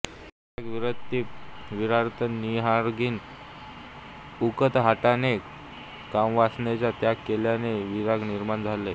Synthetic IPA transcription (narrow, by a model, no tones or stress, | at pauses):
iaɡʋiɾət̪ːiːpʋiɾaɾt̪ʰəniɦaɾɡʱiːn | ukət̪ɦaʈane | kamʋasnet͡ɕjat̪jakːeljaneʋiɾaɡniɾmand͡zʱale